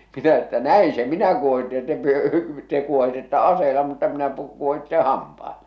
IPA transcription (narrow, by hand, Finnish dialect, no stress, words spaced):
minæ etːæ næi se minæ kuohitːe jɑ te pyø te kuohitetːɑ ɑseːlɑ mutːɑ minæ pu kuohitːẽː hɑmpɑelɑ